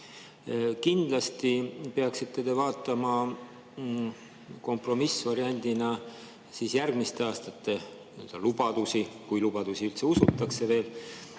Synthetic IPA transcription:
kind̪̥lɑst̪ipe̞ɑksit̪ːˑe̞t̪e̞vɑːt̪ːˑɑmɑ | ko̞mpro̞misvɑɾiɑnʲd̪̥inɑ | siːsjærɡ̥mist̪e̞ɑːst̪ɑt̪ːe̞ | øld̪̥ɑlubɑd̪̥usikujlub̥ɑd̪̥usiylt̪se̞usut̪ːˑɑkse̞ve̞ːl

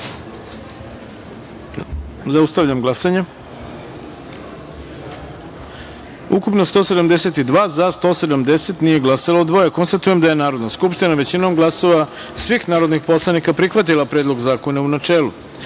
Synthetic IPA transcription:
zaust̪aʋʎamɡlˠasaɲe | ukupnost̪o̞se̞d̪amd̪eset̪id̪ʋaːzast̪o̞ːse̞d̪amd̪eset̪nije̞ɡlˠasalaod̪ʋo̞jako̞nst̪at̪uje̞md̪aje̞naːɾo̞d̪naskupʃt̪inaʋe̞t͡ɕinomɡlˠaso̞ʋa | sʋixnaːɾod̪nixpo̞slˠanikapɾixʋat̪ilˠapɾed̪lˠo̞ɡzaːko̞naunat͡ʃe̞ːlˠṵ

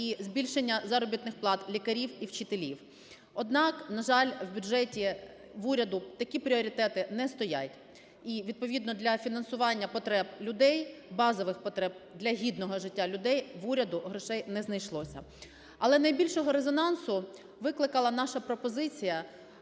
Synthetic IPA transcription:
izbʲilʲʃenʲːɐzɑɾɔbʲit̪nɪxplˠɑt̪lʲikɐɾʲiwiwt͡ʃɪt̪elʲiw | ɔd̪nɑknɐʒɑlʲwbʲʊdʒɛtʲi | ʋuɾʲɐd̪ʊt̪ɐkʲipɾʲiɔɾʲit̪ɛt̪ɪnɛst̪ɔjatʲ | iʋʲid̪̚pɔʋʲid̪nɔd̪lʲɐfʲinɐnsʊʋɑnʲːɐpɔt̪ɾɛblʲʊd̪ɛjbɑzɔʋɪxpɔt̪ɾɛb̚d̪lʲɐɦʲid̪nɔɦɔʒɪtʲːalʲʊd̪ɛjʋuɾʲɐd̪ʊɦɾɪʃɛjnɛznɐjʃlˠɔsʲɐ̰ | ɐlˠɛnɐjbʲilʲʃɔɦɔɾezɔnɑnsʊ | ʋɪklˠɪkɐlˠɐnɑʃɐpɾɔpɔzɪt͡sʲijɐ

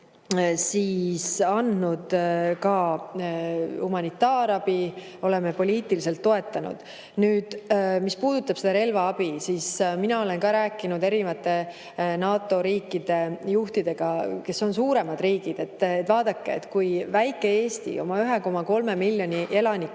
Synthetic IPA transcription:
siːsɑnd̪nud̪̥kɑ | humɑnit̪ːˑɑːɾɑb̥i | o̞le̞mepo̞lʲiːt̪ilise̞lt̪ːo̞e̞t̪ːˑɑnṵd̪̥ | nyːd̪̥mispuːd̪̥ut̪ːˑɑb̥sed̪̥ɑɾe̞lvɑɑb̥isiːsminɑo̞le̞nkɑɾæːkːˑinud̪e̞ɾivɑt̪ːˑe̞ | nɑːt̪ːˑo̞ɾiːkːˑid̪̥e̞juht̪id̪̥e̞ɡ̥ɑke̞so̞nsuːɾe̞mɑd̪riːɡ̥id̪̥e̞t̪ːet̪ːvɑːd̪̥ɑkːeḛt̪ːkujvæjkːˑe̞e̞ːst̪ḭo̞̰mɑyɦeko̞mɑko̞lme̞milʲjo̞nʲiʔe̞lɑnʲikː

